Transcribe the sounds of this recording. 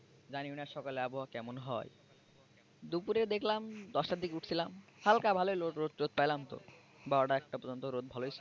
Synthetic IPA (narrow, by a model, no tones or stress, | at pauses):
d͡ʑaniwniaʃɔkaleaboɦakɛmonɦɔj | d̪upuɾed̪ekʰlamd̪ɔʃʈaɾd̪ikeuʈʰt͡ɕʰilamhalkabʱalojloɾot̪ɾot̪̚pajlamt̪o̰ | baɖaɛk̚ʈapɔɾd͡ʑont̪oɾod̪̚bʱalojt͡ɕʰi